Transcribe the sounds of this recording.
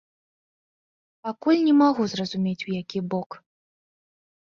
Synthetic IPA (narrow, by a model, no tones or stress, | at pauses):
pakulʲnʲɛmaɣuzrɐzumʲet͡sʲujakʲibɔk